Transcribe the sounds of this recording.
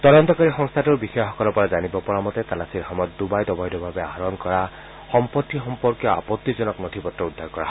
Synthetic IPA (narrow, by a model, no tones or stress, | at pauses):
t̪ɔdɔnt̪ɔkaɹixɔŋst̪ʰatuɹbixɔjɔxɔkɔlɔpɔɹazanibɔpɔɹamɔt̪ɛt̪alasiɹxɔmɔjɔt̪̚d̪ubajd̪ɔbajdɔbʱabɛaɦɹɔnkɔɹa | xɔmpɔt̪ːixɔmpɔɹkjɔa̰pɔt̪ːizɔnɔknɔt̪ʰibɔtːɔud̪ʱːaɹkɔa̰ɦ